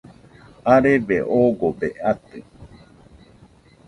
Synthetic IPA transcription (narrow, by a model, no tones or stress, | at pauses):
aɾeʋeʔoɡopḛʔat̪ɨ